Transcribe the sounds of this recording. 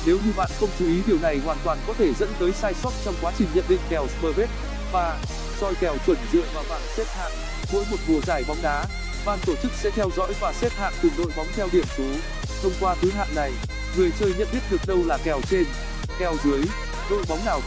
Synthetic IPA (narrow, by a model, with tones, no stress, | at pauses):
ne˨˦wɲɨ˧ɓa̰ː˧˨nxə˧wŋ͡mt͡ɕu˨˦i˨˦ɗi˨˩əwna˨˩jhwaː˨˩nt̪waː˨˩nkɔ˨˦t̪ʰe˧˩zə̰˧˥nt̪əː˨˦jsaː˧jsə˦˥t̚t͡ɕɔ˧wŋ͡mkwaː˨˦t͡ɕï˨˩ŋ̟ɲə̰˧˨nɗḭ̈˧˨ŋ̟kɛ˨˩wsɓəː˧ve˦˥t̚ | vaː˨˩ | z̥ɔ˧jkɛ˨˩wt͡ɕwə˧˩nzɨ̰˧˨əvaː˨˩wɓa̰ː˧˨nsɛ˦˥t̚ha̰ː˧˨ŋ | vṵ˧˥jmo˨˩t̚vu˨˩əzaː˧˩jɓɔ˨˦wŋ͡mɗaː˨˦ | ɓaː˨˩nt̪o˧˩t͡ɕɨ˦˥k̚sɛ̰˧˥t̪ʰɛ˧wzɔ̰˧˥jvaː˨˩sɛ˦˥t̚ha̰ː˧˨ŋt̪ɨ˨˩no̰˧˨jɓɔ˨˦wŋ͡mt̪ʰɛ˧wɗi˧˩əmsu˨˦ | t̪ʰə˧wŋ͡mkwaː˧t̪ʰɨ˨˦ɦa̰ː˧˨ŋna˨˩j | ŋɨ˨˩əjt͡ɕəː˧jɲə̰˧˨nɗi˦˥t̚ɗɨ˨˩ək̚ɗə˧wlaː˨˩kɛ˨˩wt͡ɕe˧n | kɛ˨˩wzɨ˨˦əj | no̰˧˨jɓɔ˨˦wŋ͡mnaː˨˩w